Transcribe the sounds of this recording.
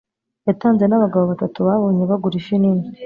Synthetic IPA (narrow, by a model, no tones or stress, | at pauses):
jataːnze̞naβaɡaβo̞βatatuβaβo̞ːɲeβaɡuɾiʃiniːɲi